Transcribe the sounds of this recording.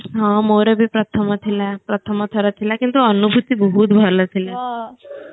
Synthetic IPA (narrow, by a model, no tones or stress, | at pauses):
ɦãmoɾebʱipɾət̪ʰəmət̪ʰilapɾət̪ʰəmət̪ʰəɾat̪ʰːilakint̪uənubʱut̪ibəɦut̪bʱəlat̪ʰila